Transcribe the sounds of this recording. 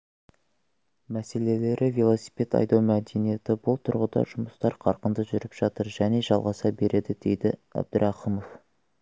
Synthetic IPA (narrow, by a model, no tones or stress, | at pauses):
mæse̞le̞le̞ɾʔɪvelˠo̞si̥pe̞t̪ɑ̰jd̪ɑwmæd̪e̞nije̞t̪ɪbʊlˠt̪ʰʊɾʁəd̪ɑ̰ʒʊməst̪ɑɾqʰɑɾqənd̪əʒʏɾɪpʒ̥ɑt̪əɾʒæne̞ʒɑlˠʁɑsɑbe̞ɾe̞d̪ɪd̪̥e̞jd̪ɪæ̰b̚d̪əɾɑqəmo̞f